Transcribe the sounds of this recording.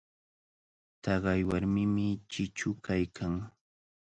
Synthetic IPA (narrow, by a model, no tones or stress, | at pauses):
t̪ɑɢɑjwaɾmɪmɪt͡ʃɪt͡ʃʊkajkʰaŋ